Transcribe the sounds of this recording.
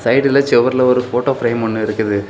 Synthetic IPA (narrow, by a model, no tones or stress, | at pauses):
sɐɪɖɪlɐt͡ʃɛʋɐɾɪlɐɔɾɯfoːʈoːfɪɾeɪmɔnːɯɪɾɯkːɐðɯ